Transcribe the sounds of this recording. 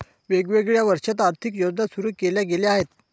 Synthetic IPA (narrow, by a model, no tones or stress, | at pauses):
ʋeɡʋeɡɭjaʋəɾʂat̪̬aɾt̪ʰikjod͡znasuɾuːkeljaɡeleaɦet̪